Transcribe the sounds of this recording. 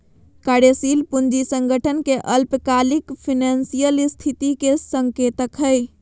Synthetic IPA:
kaɽesilpund͡ʒisəŋɡəʈʰənkeʔəlpəkalikpʰinansijəlist̪ʰit̪ikesəŋket̪əkɦəj

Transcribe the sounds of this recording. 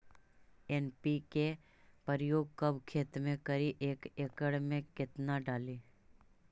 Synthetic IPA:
eːnpike | pəɾjoːɡ̚kəbʱkʰeːt̪mẽkəɾiʔeːkeːkəɽmẽkɪt̪naɖaːli

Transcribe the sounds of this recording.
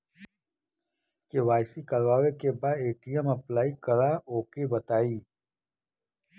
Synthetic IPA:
keʋaːɪsikɐɾʋaːʋekebaːd̪eːʈijəmɐplaːikɐɾaoːkebɐt̪aːiː

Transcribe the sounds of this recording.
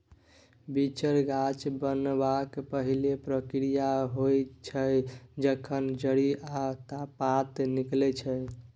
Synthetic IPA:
bit͡ʃəɾɡat͡ʃbənbakpəɦilepɾəkɾijaɦojt͡ʃʰəjd͡ʒəkʰənd͡ʒəɽiat̪apat̪niklɛt͡ʃʰə

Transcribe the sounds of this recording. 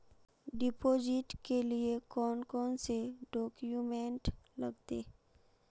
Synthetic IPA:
ɖɪpoːd͡ʒɪʈkeliekɔːnkɔːnseɖɔːkjumẽɳʈlɐɡt̪ḛː

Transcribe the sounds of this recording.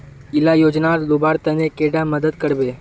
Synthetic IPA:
ɪlajoːd͡ʒnaɾlubaːɾt̪ənekeɖaməd̪əd̪kəɽbeː

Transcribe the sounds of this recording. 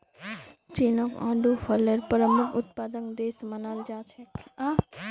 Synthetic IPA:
t͡ʃinokã̰ɖufəleɾpəɾəmukʰʊt̪̚pad̪ənd̪esmənald͡ʒat͡ʃʰea

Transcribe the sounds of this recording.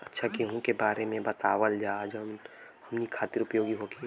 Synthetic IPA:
ɐtːʃʰakiɦũkebaːɾemẽbɐt̪aːʋəld͡ʒaːd͡ʒm | hɐmnikʰaːt̪ɪɾʊpjoːɡiɦoɡi

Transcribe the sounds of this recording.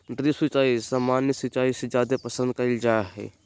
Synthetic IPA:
ɖɾiswɪt͡ʃaːisaːmaːnjəsɪt͡ʃaːised͡ʒjaːd̪epəsə̃nd̪̚kɐld͡ʒaɦɛ̰ː

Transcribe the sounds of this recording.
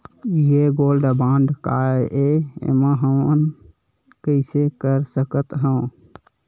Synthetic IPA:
jeɡolɖəbãːɳɖkaeʔeḛmãɦəmən | kəɪsekəɾsəkət̪ɦə̃

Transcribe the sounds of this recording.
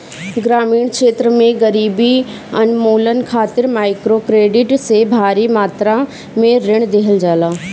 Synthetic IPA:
ɡɾaːmiːɽ̃kʃeːt̪ɾəmẽɡɐɾiːbi | ɐnmoːlənkʰaːt̪ɪɾmaːɪkɾokɾeːɖɪʈsebʱaːɾimaːt̪ɾa | mẽɾɪɽ̃d̪eɦəld͡ʑaːlaː

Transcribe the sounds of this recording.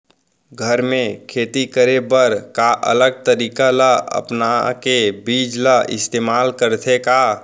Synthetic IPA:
ɡʱəɾmẽkʰeːt̪ikəɾebəɾkaʔə̰ləɡ̚t̪əɾiːkalaə̰pnakebiːd͡ʒlaʔɪ̰st̪eːmaːlkəɾt̪ʰeka

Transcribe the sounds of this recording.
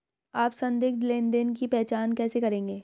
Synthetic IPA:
aːpsɐ̃nd̪ɪːɡd̪leːnd̪enk̬ipɛːɦt͡ʃaːnkɛːsekɐɾẽːŋɡeː

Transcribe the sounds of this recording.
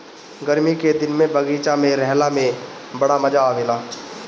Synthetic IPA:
ɡɐɾmiked̪ɪnmẽbɐɡiːt͡ʃamẽɾɛɦlamẽ | bɐɽamɐd͡ʒaaʋɪlaː

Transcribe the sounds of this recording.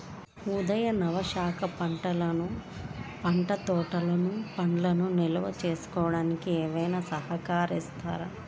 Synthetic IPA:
ud̪ɐjɐnɐʋɐʃaːkʰɐpɐɳʈɐlɐnupɐɳʈɐt̪ɔːʈɐlɐnupɐɳlɐnunilɐʋɐt͡ʃe̞ːsu̥kɔːɐɽaːnikiɛːʋɐjnaːsɐɦɐkaːɾist̪a̰ːɾa̰

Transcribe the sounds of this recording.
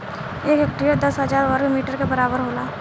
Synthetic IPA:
ekeːkʈɾijad̪ɐsɦɐd͡ʒaːɾʋɐɾkmiːʈəɾkebɐɾaːbəɾɦoːlaː

